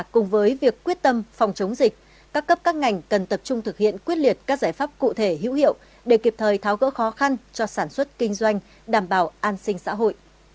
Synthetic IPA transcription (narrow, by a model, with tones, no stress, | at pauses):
kʊ˨˩ŋ͡mvəː˨˦jvi˨˩əkːwi˦˥ət̚t̪ə˧mfɔ˨˩wŋ͡mt͡ɕə˨˦wŋ͡mzï˨˩k̟̚ | kaː˦˥kːə˦˥p̚kaː˦˥k̚ŋa˨˩jŋ̟kə˨˩nt̪ə˨˩p̚t͡ɕʊ˧ŋ͡mt̪ʰɨ˨˩k̚hḭ˧˨ənkwət̚li˨˩ət̚kaː˦˥k̚zaː˧˩jfaː˦˥p̚kṵ˧˨t̪ʰe˧˩ɦḭ˧˥whḭ˧˨ə˨w | ɗe˧˩ki˨˩p̚t̪ʰəː˨˩jt̪ʰaː˨˦wɣə̰˧˥xɔ˨˦xa˧nt͡ɕɔ˧saː˧˩nswə˦˥t̚kï˧ŋ̟zwa˧jŋ̟ | ɗaː˧˩mɓaː˧˩wʔaː˧nsï˧ŋsa̰ː˧˥ɦo̰˧˨jʔ